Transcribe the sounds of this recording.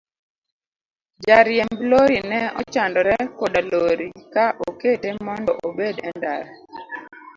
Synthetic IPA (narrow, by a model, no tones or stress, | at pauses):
d͡ʒaɾjɛmbloɾinɛɔt͡ʃandɔɾɛkɔdaloɾikaʔoketemɔndɔʔobedɛndaɾ